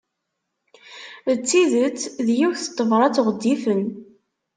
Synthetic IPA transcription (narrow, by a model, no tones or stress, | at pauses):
ət͡sːiðət͡sːðjuçθə̥t̪ˤːəvɾˤɑt͡sːoʁəd̪ːifən